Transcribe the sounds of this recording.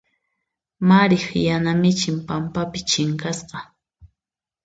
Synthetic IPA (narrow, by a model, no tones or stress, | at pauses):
maɾɪχjanamɪt͡ʃɪmpampapɪt͡ʃɪŋkasqɑ